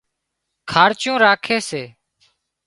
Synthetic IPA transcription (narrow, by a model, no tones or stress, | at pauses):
kʰaːɾt͡ʃjũːɾaːkʰeːseː